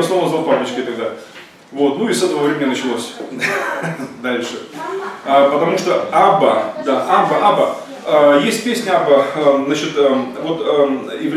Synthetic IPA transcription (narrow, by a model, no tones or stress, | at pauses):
ɐsnovnəzapablˠət͡ɕʲkət̪ɐɡd̪a | vo̞t̪nuɪsɛt̪əvəvɾʲemʲɪnʲɪnət͡ɕɪlˠosʲ | d̪alʲʂɨ | əpət̪ɐmuʂt̪oabəd̪aʔabəʔabə | əjesʲt̚ʲpʲesʲnʲəabəəzat͡ɕɪt̪əvo̞t̪əɪvʲ